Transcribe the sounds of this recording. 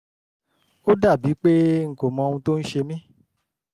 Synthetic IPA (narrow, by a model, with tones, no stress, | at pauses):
o˦da˦˨bi˨˦k͡pe˦ŋ̩˨ko˨mɔ̃˧ũ˧to˦n̩˦ʃe˧mĩ˦